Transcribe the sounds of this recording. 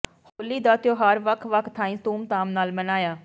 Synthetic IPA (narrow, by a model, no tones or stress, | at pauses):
hoːliːd̪aːt̪joːɦaɾʋəkʰʋəkʰt̪ʰaːĩːt̪uːmt̪aːmnaːlmənaːjaː